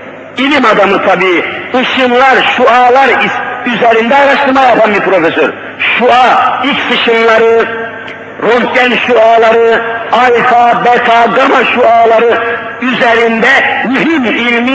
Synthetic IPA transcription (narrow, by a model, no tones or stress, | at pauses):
ilimɑd̪ɑmɯt̪ʰɑbiɯʃɯnlˠɑɾʃuɑːlˠɑɾiyzæɾind̪ɛːɾɑʃt̪ʰɯɾmɑɣjɑpʰɑnmipʰɾofesøɾ | ʃuɑilcsɯʃɯnlˠɑɾɯ | ɾohtænʃuɑːlˠɑɾɯɑlkʰɑbɛt̪ʰɑɡɑmɑʃuɑːlˠɑɾɯ | yzæɾind̪ɛmyɦimilʲmi